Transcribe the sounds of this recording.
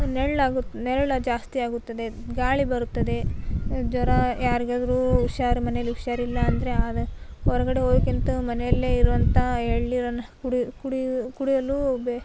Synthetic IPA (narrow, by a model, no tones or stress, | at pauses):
neɭlaːɡut̪ːnɛɾɐɭɐd͡ʒaːst̪iaːɡut̪ːɐd̪e̞ɡaːɭibɐɾut̪ːɐd̪e̞d͡ʒɔɾɐjaːɾiɡaːd̪ɐɾuːʃaːɾimɐnejɐlːiuʃaːɾilːɐːnd̪ɐɾe̞ɐd̪ɐɔɾɐɡɐɽe̞oːd̪kint̪umɐnejɐlːeːiɾuʋɐnt̪ɐeɭːiɾɐnːɐkuɽikuɽikuɽijɐlube